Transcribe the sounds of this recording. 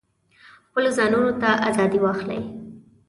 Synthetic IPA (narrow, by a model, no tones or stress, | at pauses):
xpəlozɑnunot̪aʔazɑd̪iwɑxla̰j